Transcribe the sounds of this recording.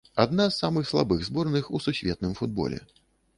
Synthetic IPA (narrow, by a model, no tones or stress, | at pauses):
ad̪nazːamɨxslˠa̰bɨɣzbɔrnɨxususʲvʲɛt̪̚nɨmfud̪̚bɔ̰lʲɛ̰